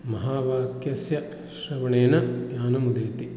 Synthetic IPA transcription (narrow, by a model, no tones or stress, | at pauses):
mɐɦaːʋaːkjɐsjɐ | ʃɾɐʋɐɳeːnɐjaːnɐmud̪eːt̪i